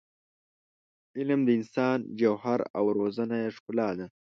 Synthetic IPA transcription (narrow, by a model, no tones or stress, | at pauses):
ɪlmd̪əɪnsɑːnd͡ʒawhaɾa̰wɾozanajaʂkʊlɑːd̪a